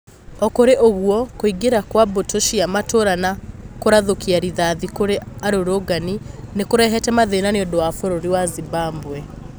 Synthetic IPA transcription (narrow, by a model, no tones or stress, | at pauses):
ɔkoɾeʔoɣuɔkoiɡeɾakwabotoʃiamatoɾanakoɾaðokiaɾiðaðikoɾeaɾoɾoɡaninekoɾɛɦɛtɛmaðenaneɔdowafoɾoɾiwaziβaːmbwɛ